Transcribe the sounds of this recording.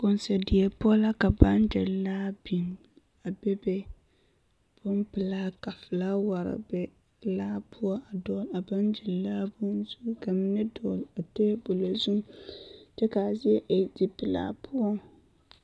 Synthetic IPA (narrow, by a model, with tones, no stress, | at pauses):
kʊ˨n˨sɛ˨dɪ˨ɛ˨pʊ˦ɔ˦la˦ka˨ba˦nd͡ʒɛ˨llaː˦bi˨ŋ | a˨bɛ˦bɛ˦ | b̥ʊ˦npɨ˨laː˦ka˨fɨ˨laː˦wa˨ɾɪ̰˨bɛ˨ | laː˦pʰʊ˦ɔ˦a˨dɔ˦la˨ba˦nd͡ʒɛ˨˦aː˦bʊ˦nzu˦ka˨mɪ˦nɛ˦dɔː˨la˨te˦bo˨la˨zu˦tɛ˦ka˨zɪ˦ɛ˦ʔe˨d͡ʒi˨pɨ˨la̰ː˦pʰʊ˦ɔ˦